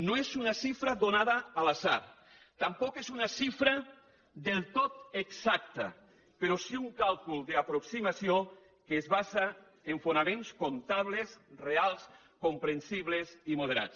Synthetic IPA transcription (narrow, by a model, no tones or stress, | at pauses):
noezunasifɾaðonaðaːlasaɾ | t̪ampɔkezunasifɾa | ðelˠt̪ot̪eksak̚t̪a̰ | peɾosiuŋkalˠkulˠd̪eapɾoksimasio | keːzβaza | eɱfonamẽnskont̪aβ̞lesrealˠs | kompɾensiβlesimoð̞eɾa̰t͡s